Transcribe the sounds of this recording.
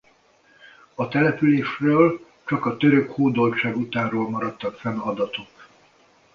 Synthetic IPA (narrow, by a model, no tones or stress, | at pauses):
ɒt̪ɛlɛpyleːʃrøːl | t͡ʃɒkɒt̪øɾøkhoːd̪o̞lt͡ʃaːɡut̪aːnroːlmɒɾɒt̪ːɒkfɛnɒd̪ɒt̪o̞k